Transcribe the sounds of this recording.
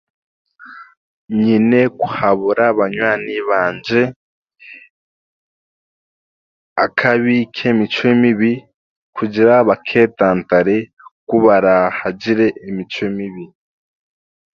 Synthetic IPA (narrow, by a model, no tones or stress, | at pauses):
ɲine̞kuhaβuɾaβaɲwaːniβaːnd͡ʒe̞ | akʰaβikʰemit͡ʃoemiβi | kʰuɟiɾaβakʰe̞ːtaːntaɾe | kuβaɾahaɟiɾe̞ʔimit͡ʃoimiβi